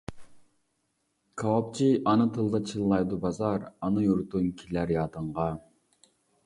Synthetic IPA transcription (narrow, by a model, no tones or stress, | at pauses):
kʰɑwɑp̚t͡ʃʰiʔɑnɨt̪ʰɨlˠd̪ɑt͡ʃʰilˠlˠɑjd̪ubɑzɑɾɑnɨjuɾt̪unkʲʰilæɾjɑːt̪əɴʁɑ